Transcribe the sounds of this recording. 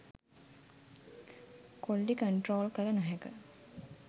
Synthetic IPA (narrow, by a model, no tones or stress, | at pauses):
koɭɖikɐɳʈroːlkɐlɐnɐɦekə